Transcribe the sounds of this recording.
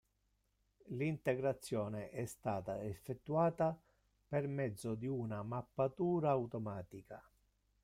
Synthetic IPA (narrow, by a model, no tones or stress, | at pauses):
lint̪eɡɾat̪sːjɔːneʔɛst̪aːt̪aefːet̪ːuaːt̪a | permɛd̪zːod̪iunamapːat̪uːɾaːwt̪omaːt̪ika